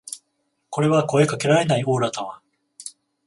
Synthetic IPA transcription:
ko̞ɾe̞βako̞e̞kake̞ɾaɾe̞naio̞ːɾat̪ãβa

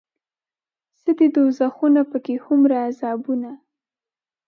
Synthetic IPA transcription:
səd̪ed̪ozaxunapəkehʊmɾaːzɑbuna

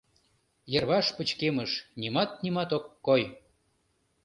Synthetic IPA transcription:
jərβɑʃpət͡ɕkeməʃnimɑt̪̚nimɑt̪okːoj

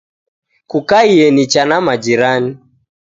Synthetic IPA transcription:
kukaiɛnit͡ʃanamad͡ʒiɾani

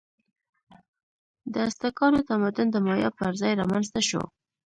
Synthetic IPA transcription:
d̪əast̪akɑnot̪amad̪ʊnd̪əmɑjɑ̰pəɾzɑjɾɑmanzt̪aʃo̰

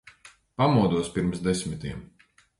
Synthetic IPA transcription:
pamuɔd̪uɔspʲiɾmsd̪esmʲit̪iɛm

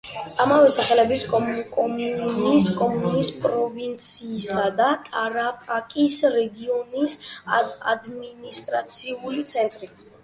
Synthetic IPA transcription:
amavɛsaχɛlɛbiskʼkʼɔmuniskʼɔmunispʼɾɔvint̪sʰiːsad̪at̪ʼaɾapʼakʼisɾɛɡiɔnis | a̰d̪minist̪ʼɾat̪sʰiulit̪sʰɛnt̪ʼɾi

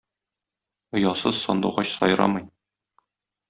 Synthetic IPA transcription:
ŏjɑsɤz̥sɒnd̪uʁɑɕsɒj̆ɾɑ̰mɤj

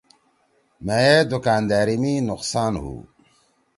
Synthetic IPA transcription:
meed̪ukaːnd̪aːɾiminʊqsaːnɦṵː

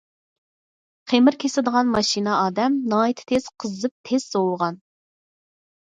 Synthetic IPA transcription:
qʰemɪɾkʲʰesɪd̪əʁɑnmɑʃinɑɑːd̪ɛmnɑːit̪ʰɪ̥t̪ʰez̥qʰəzɨp̚t̪ʰez̥sowlˠʁɑn

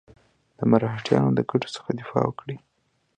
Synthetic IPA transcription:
d̪̥əmaɾɑɦʈjɑ̰nod̪əɡaʈo̥sə̥xad̪ɪfɑ̰wəkɽi

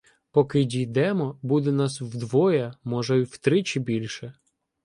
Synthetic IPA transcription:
pɔkɪdʲijd̪ɛmɔbud̪ɛnɑswd̪ʋɔjɐmɔʒɛwt̪ɾɪt͡ʃɪbʲilʲʃɛ

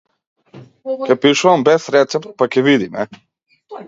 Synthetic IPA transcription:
kʲɛpiʃuvambɛsɾɛt̪sɛpt̪̚pakʲɛvid̪imɛ

